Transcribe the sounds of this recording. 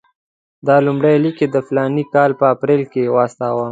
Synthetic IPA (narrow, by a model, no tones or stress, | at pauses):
d̪ɑlumɽajliked̪əflɑnikɑlpəapɾelkewɑst̪ɑwa